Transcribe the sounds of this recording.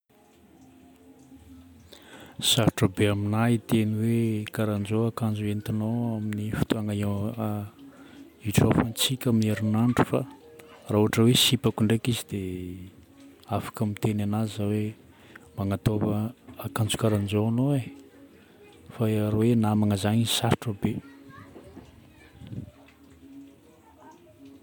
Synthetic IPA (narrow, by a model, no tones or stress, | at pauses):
saɾʈ͡ʂəbeaminait̪eniwekaɾand͡ʒoakand͡ʒuent̪inoaminifi̥t̪uaŋao | iʈ͡ʂafant͡sikʲamineɾunaɳʈ͡ʂu̥fa̰ | raɦuɦaʈ͡ʂəwesipakuɳɖ͡ʐekizid̪e | afḁkəmit̪enanazawe | maŋat̪ovəakand͡zu̥kaɾand͡ʒoanoe | faɾawenaamaŋəzaɲisaɾʈ͡ʂəbe